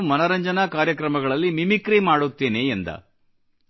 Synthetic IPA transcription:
mɐnɐɾɐɲd͡ʒɐnɐkaːɾjɐkɾɐmɐɡɐɭɐlːimimikɾimaːɽut̪ːeːneːnd̪ɐ̰

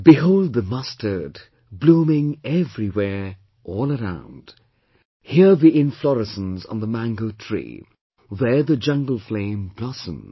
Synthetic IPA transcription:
b̥ɨɦoʊlˠd̪̚ðɨmʌstʰə˞d | blũmɪ̃ŋɛvɹiwɛɹ | ʔɔlˠəɹã̰ʊ̃nd̥ | hiɹðiɪ̃nflɔɹɨsn̩zə̃n̩ðəmæ̃ŋɡoʊtʰɹ̥ḭ | ðə˞ðɨd͡ʒʌ̃ŋɡl̩ˠflẽɪ̃mblɑsə̰̃m

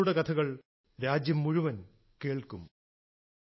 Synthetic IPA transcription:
uɽekɐt̪ʰɐɣɐɭ | ɾaːd͡ʑjɐmːuɻuʋɐn | keːɭkum

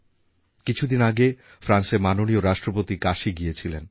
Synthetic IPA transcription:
kit͡ɕʰud̪inaɡe | fɾanseɾmanonioɾaʃʈɾopot̪ikaʃiɡijet͡ɕʰilen

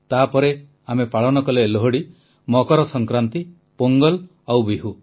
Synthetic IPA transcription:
t̪apɔɾe | amepaɭɔnɔkɔleːloɦoɽi | mɔkɔɾɔsɔŋkɾant̪i | poŋɡɔl | awbiɦu

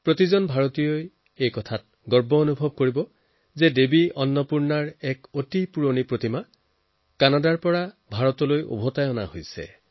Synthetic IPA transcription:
pɹotizɔnbʱaɹotijoj | ejkɔtʰat̚ | ɡɔɹbɔonubʱɔb̚koɹibɔ | zɛdebiɔnːɔpuɹnaɹɛkotipuɹonipɹotima | kanadaɹpɔɹa | bʱaɹɔtɔlojʔo̰bʱɔtajɔna̰hojsɛ̰

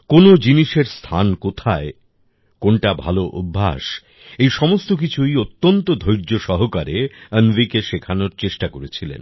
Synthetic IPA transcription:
konod͡ʑiniʃeɾst̪ʰankot̪ʰae | konʈabʱa̰loʔubʱːa̰ʃ | ejʃɔmost̪ok̬it͡ɕʰujot̪ːont̪od̪ʱojɾd͡ʑoʃɔɦokaɾeənvikeʃekʰanoɾt͡ɕeʃʈakoɾet͡ɕʰilḛn

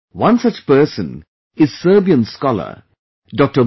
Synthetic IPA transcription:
wʌ̃nsʌt͡ʃpəːsə̃n | ɪz̥səːbiə̃nskɔlə̰ | ɖɔk̚ʈə

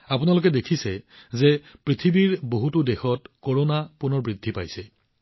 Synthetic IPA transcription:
apʊnalʊk̬ɛdekʰisɛ | zepɹitʰibiɹboɦutʊdɛxɔtkoɹonapunɔɹbɹidʱːipa̰jsɛ

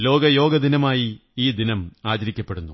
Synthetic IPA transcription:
lo̞ːɡɐjo̞ːɡɐd̪inɐmaːjiiːd̪inɐmaːd͡ʑɐɾikʲːɐpːe̞ɽunːu

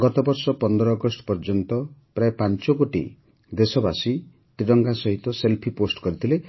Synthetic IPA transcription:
ɡɔt̪ɔbɔɾsɔpɔnd̪ɔɾɔːɡɔsʈɔ̥pɔɾd͡ʒɔnt̪ɔpɾaepant͡ʃɔkoʈḭ | d̪esɔbasi | t̪ɾiɽɔŋɡasɔɦit̪ɔselpʰiposʈɔ̥kɔɾit̪ʰile

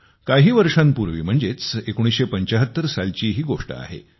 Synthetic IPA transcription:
kaɦiːʋəɾʂanpuɾʋḭːm̤əɳd͡zet͡sekoɽ̃isɕepəɲt͡ɕaɦət̪ːəɾsalt͡ɕiːɦiːɡoʂʈə̰a̰ɦḛ

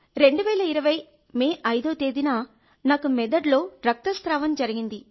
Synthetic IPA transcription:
ɾe̞ɳɖuʋɛːlɐiɾɐʋɐj | meːʔɐjd̪oːt̪e̞ːd̪inaː | naːkumɛd̪ɐɖlo̞ːɾɐk̚t̪ɐst̪ɾaːʋɐmd͡ʒɐɾiɡind̪i

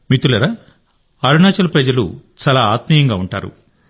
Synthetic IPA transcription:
mit̪ulɐɾa | ɐɾunaːt͡ʃɐlɐpɾɐd͡ʒɐlṵt͡ʃaːlaːaːt̪mijɐŋɡaːuɳʈa̰ːɾṵ

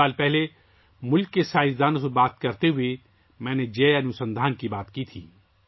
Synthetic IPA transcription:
aːlpɛɦle | mʊlkːesaːɪsd̪aːnosebaːt̪kɐɾt̪eɦʊe | mɛ̃ːned͡ʒeːɐnʊsə̃nd̪ʱaːnkibaːt̪kit̪ʰḭː

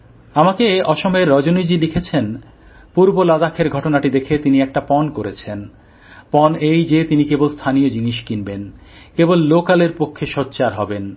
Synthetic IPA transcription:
amakeɔʃomɔeɾːɔd͡ʑonid͡ʑilikʰet͡ɕʰen | puɾbolad̪akʰːeɾɡʱɔʈonaʈid̪ekʰet̪iniɛk̚ʈapɔnkoɾet͡ɕʰen | pɔnejd͡ʑet̪inikebolst̪ʰaniod͡ʑiniʃkinben | kebolːokaleɾpokʰːeʃɔtːɕaɾɦɔben

